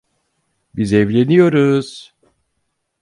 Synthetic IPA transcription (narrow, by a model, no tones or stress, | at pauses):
bizevlʲenijo̞ɾuz̥